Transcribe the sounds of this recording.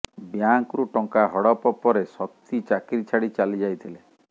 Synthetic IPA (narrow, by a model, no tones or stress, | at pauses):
bjaŋkɾuʈɔŋkaɦɔɽɔpɔpɔɾesɔk̚t̪it͡ʃakiɾit͡ʃʰaɽit͡ʃalid͡ʒajt̪ʰile